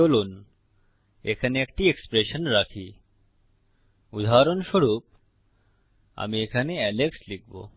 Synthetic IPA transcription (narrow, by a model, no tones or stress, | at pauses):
olun | ekʰaneekʈiekspɾeʃənɾakʰi | ud̪ʱaɾonʃoɽup̚ | a̰miekʰaneɛlekslik̚ʰbo̰